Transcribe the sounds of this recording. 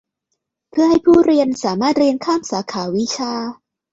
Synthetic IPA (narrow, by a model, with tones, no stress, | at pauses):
pʰɯ˥˩ɐha˥˩jpʰuː˥˩ɾi˧ənsaː˩˦maː˥˩t̪̚ɾi˧ənkʰaː˥˩msaː˩˦kʰaː˩˦wi˦˥t͡ɕʰaː˧